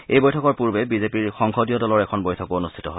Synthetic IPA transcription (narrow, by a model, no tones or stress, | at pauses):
ejbojtʰɔkɔɹpuɹbɛbizepiɹxɔŋxodijɔdɔlɔɹɛkʰɔnbojtʰɔkoonustʰi̥tɔ̰ɦoɪ